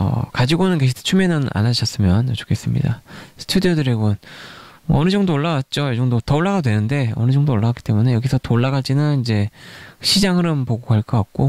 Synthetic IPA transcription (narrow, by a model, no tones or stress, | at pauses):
ʌ̰kad͡ʑiɡonɯnkeɕʰitʰe̥t͡ɕʰumenɯna̰nad͡ʑʌs͈ɯmjʌnʌt͡ɕʰo̥kʰe̞s͈ɯmɲḭdasʰɯ̥tʰudijodɯɾeɡunʌ̰ʌnɯd͡ʑʌŋdoːɭːaɡat̚t͡ɕ͈ojʌd͡ʑʌŋdotʌoɭːaɡadwe̞nɯnde̞ʌ̰nɯd͡ʑʌŋdoːɭːaɡakit͈e̞mune̞jʌɡisʰʌtoɭːaɡaɭt͡ɕ͈inɯnid͡ʑe̞ɕʰid͡ʑaŋɦɯɾɯmpoɡokaɭk͈ʌk͈ak̚k͈o